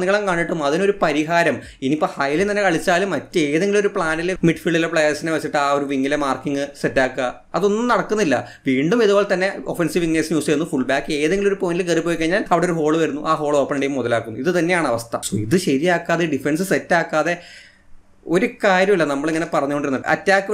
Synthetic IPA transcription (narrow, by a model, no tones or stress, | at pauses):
nːiɣɐɭɐmkaːɳɖiʈːumɐðino̞ɾupɐɾiɦaːɾɐm | inipːoɭhɐjlet̪ɐnːekɐɭit͡ɕːaːlumːɐtːɨe̞ːðeŋɡilmo̞ɾupɭaːnilmiʈfiɭɖilepɭejsineʋɐt͡ɕːiʈːɨaːo̞ɾuʋiŋːilemaːrkːiŋːɨsetːaːkːɐ | ɐ̰ðo̞nːumnɐɽɐkːunːilːɐ̰ | ʋiːɳɖumeðubo̞ːɭt̪ɐnːe̞o̞fensiʋiŋneːsnjuːst͡ɕeɾunːɨfuɭbaːkːe̞ːðeŋɡilmoɾupoːnilkeripːoːjikːɐɲːaːlɐʋiɽeoɾuɦo̞ːɭuʋɐɾunːuʔaːɦo̞ːɭo̞ːpːɐnɖejumːuðɐlaːkːunːuiðɨt̪ɐnːe̞jaːɳɨɐʋɐst̪ʰɐ̰siðɨɕɐɾijaːkːaːðeɖifens̬ɨsetːaːkːaːðe̞ | o̞ɾukaːɾjɐmilːɐnɐmːɐɭeŋːɐnepɐrɐɲːukoɖiɾunːɐɨɐ̰tːaːkːɨ